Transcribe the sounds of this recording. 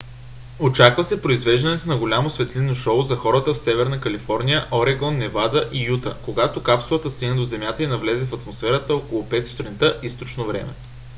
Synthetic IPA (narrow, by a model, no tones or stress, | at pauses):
ot͡ʃakvɐsɛpɾoizvɛʒd̪ɐnɛt̪onɐɡolʲamosvɛt̪linoʃɔʊzɐxɔɾət̪əfsɛvɛɾnɐkɐlifɔɾnʲijəʔoɾɛɡɔnːɛvad̪əʔijut̪ə̰koɡat̪okapsʊvˠət̪əst̪iɡnɛd̪ozɛmʲjat̪əinɐvlɛzɛfɐt̪mosfɛɾət̪əokolˠʊpɛt̪st̪ɾɛnt̪əʔist̪ot͡ʃnovɾɛ̰mɛ̰